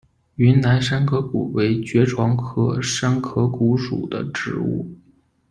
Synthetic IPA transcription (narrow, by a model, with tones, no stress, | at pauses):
y˧˥nna˧˥ɪʂa˥nkʰɤ˥kṵ˨˩we˧˥ɪt͡ɕɥɛ˧˥ʈ͡ʂʰwɑ˧˥ŋkʰɤ˥ʂa˥nkʰɤ˥ku˧˥ʂṵ˨˩d̪ə̰˦ʈ͡ʂɻ̩˧˥ṵ˥˩